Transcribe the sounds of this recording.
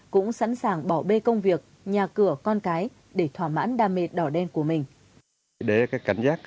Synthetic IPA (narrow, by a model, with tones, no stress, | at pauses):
kʊ̰˧˥ŋ͡msa̰˧˥nsaː˨˩ŋɓɔ˧˩ɓe˧kə˧wŋ͡mvi˨˩ək̚ | ɲaː˨˩kɨ˧˩əkɔ˧nkaː˨˦j | ɗe˧˩t̪ʰwaː˧˩ma̰ː˧˥nɗaː˧˩me˨˩t̚ɗɔ˧˩ɗɛ˧nku˧˩əmï˨˩ŋ̟ | ɗe˨˦kaː˦˥jkːa˧˩jŋ̟zaː˦˥k̚